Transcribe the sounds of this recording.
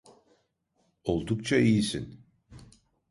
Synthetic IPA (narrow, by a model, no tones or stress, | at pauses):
o̞lˠd̪ukt͡ʃʰaijisin